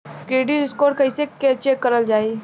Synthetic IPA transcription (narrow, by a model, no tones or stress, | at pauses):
kɾeːɖiɾɪskoːɾkɐɦisekeɐt͡ʃʰekɐɾəld͡ʒaːi